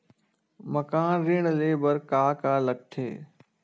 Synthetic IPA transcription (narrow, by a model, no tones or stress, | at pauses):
məkaːnɾɪːɳ̃leːbəɾkaːkaːlək̚t̪ʰḛː